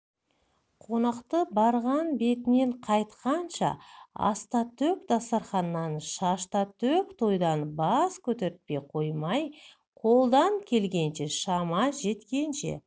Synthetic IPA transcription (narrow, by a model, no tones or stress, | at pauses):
qʰo̞nɑqt̪əbɑɾʁɑnbe̞t̪ɪne̞ɴqʰɑjt̪qɑnʃɑ̰ɑ̰st̪ɑt̪ʰɵk̚d̪ɑsɑɾχɑnːɑnʃɑʃt̪ɑt̪ʰɵkt̪ʰo̞jd̪ɑnbɑskʲʰɵt̪eɾɪt̪̚pe̞jqʰo̞jmɑj | qʰo̞lˠd̪ɑŋkʲʰe̞lɡʲe̞nʃe̞ʃɑmɑʒe̞t̪kʲe̞nʃe̞̰